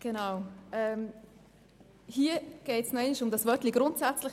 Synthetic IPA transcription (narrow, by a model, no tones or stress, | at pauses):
ɡ̥ɛnaʊɛm | hiːəɡ̥ɛɪtsnɛɪnɪʃʊmdɑsvœtliɡ̥ɾʊntsɛt͡slɪ